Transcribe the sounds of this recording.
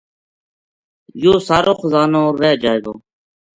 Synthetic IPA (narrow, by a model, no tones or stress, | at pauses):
joːsaːɾʔoːxʊzaːnõːɾeːd͡ʒaːeːɡoː